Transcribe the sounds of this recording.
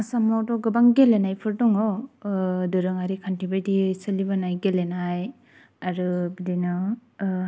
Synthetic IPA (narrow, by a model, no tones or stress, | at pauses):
samɔwtɔɡɯbaŋɡelenajpʰɯɾdɔŋɔ | dɯɾɯŋaɾikʰantibejdisɯlibanajɡelenaj | aɾɯbidinɯ